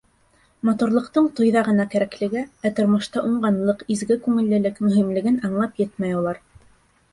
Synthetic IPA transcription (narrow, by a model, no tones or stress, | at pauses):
mɑt̪uɾlˠɤ̆qt̪ɤɴt̪ŏjðɑʁɤ̆nɑkæɾæklɘ̆ɡɘæt̪ŏɾmɤ̆ʃt̪ɑʔuɴɢɑnlˠɤqizɡɘkʉŋɘ̆lːɘ̆lɘkmɵ̆ɦimlɘ̆ɡɘnɑɴlˠɑpjɘt̪mæjulˠɑɾ